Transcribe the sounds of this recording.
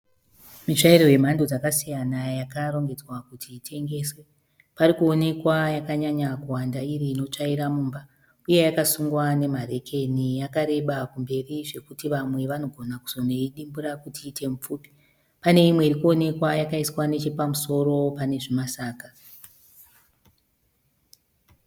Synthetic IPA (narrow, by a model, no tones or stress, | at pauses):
mit͡ʂaiɾo̞je̞m̤andod͡zakasijanajakaɾo̞ŋɡe̞d͡zwakutʰiːtʰe̞ŋɡe̞ːswe | paɾikuo̞ne̞kwajakaɲaɲakuwandairiːno̞t͡ʂaiɾamuːmba | uje̞jakasuŋɡwane̞mare̞kʰe̞nijakaɾe̞ɓakumbe̞riʐe̞kutiʋamwe̞ʋano̞ɡʱo̞naku̥z̥o̞ne̞iɗimbuɾakutiːtʰe̞mup͡fuːpi̥ | pane̞imwe̞iɾikuo̞ne̞kwajakaiswane̞t͡ʃe̞pamuso̞ɾo̞pane̞ʐimasaːka